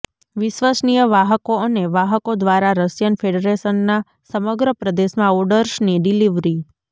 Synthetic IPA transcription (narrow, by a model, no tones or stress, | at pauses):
ʋɪʃʋəsnijəʋaɦəkoəneʋaɦəkod̪ʋaɾaɾəsjənfʰeɖəɾesənːa | səməɡɾəpɾəd̪eʃmãɔɖəɾʃniɖiliʋɾi